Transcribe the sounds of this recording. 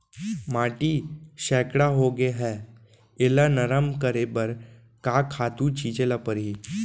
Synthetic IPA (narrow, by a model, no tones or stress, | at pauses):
maːʈiʃɛːkɽaɦoːɡeɦɛː | ɪlanəɾəmkəɾebəɾ | kaːkʰaːt̪ũt͡ʃʰiːd͡ʒelapəɾɦiː